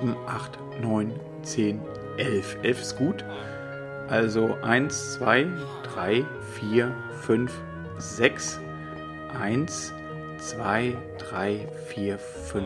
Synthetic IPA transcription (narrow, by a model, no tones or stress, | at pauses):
n̩ʔaχt | nɔʏn | t͡seːn | ʔɛlfʔɛlfɪstɡ̥uːt | ʔalzoʔaɪnst͡sv̥aɪ | d̥ʁaɪ | fiːɐ | fʏnf | z̥ɛks | ʔaɪns | t͡sv̥aɪ | d̥ʁaɪ | fiːɐ | fʏn